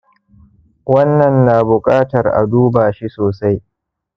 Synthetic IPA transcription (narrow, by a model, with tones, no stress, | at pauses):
wɐ˦nːɐ˨nːaː˨bʊ˨kʼaː˦tɐ˨rʔa̰˨duː˦baː˨ʃi˦soː˨sa˦j